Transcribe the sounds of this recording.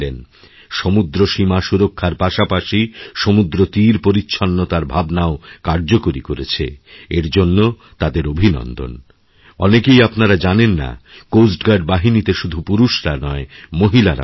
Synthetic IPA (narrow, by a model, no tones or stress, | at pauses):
len | ʃomud̪ɾoʃimaʃuɾokʰːaɾpaʃapaʃiʃomud̪ɾot̪iɾpoɾitːɕʰonːot̪aɾbʱabnaokaɾd͡ʑokoɾikoɾet͡ɕʰḛeɾd͡ʑonːo | t̪ad̪eɾobʱinɔ̰nd̪ʱo̰n | ɔ̰nekejapnaɾad͡ʑanenːa̰kosʈɡaɖbaɦinit̪eʃud̪ʱupuɾuʃɾa̰nɔemoɦilaɾa̰